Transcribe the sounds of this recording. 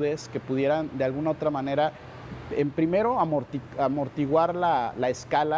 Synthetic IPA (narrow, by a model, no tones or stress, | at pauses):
ðe̞ske̞puð̞je̞ɾand̪e̞alɣunao̞t̪ɾamãne̞ɾa | empɾime̞ɾo̞amoɾt̪iamo̞ɾt̪iɣwaɾlalaeskala